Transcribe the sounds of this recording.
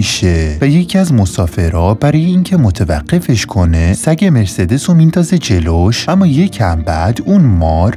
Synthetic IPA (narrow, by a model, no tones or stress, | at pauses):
iʃevæje̞cʰiæzmosɒːfe̞ɾɒːbæɾɒːjeiːncʰe̞mot̪ʰevæ̰ɢ̥ːe̞fe̞ʃkʰo̞ne̞sæɟeme̞ɾsed̪esomind̪ɒːze̞d͡ʒe̞loʃʔæmːɒːje̞cʰæmbæd̪unmɒːɾ